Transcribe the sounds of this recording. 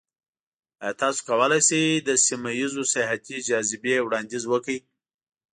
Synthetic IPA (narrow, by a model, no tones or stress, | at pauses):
t̪ɑso̥kawəlajsejd̪əsimajizosɪɦat̪id͡ʒɑzɪbewɽɑnd̪izwəkəj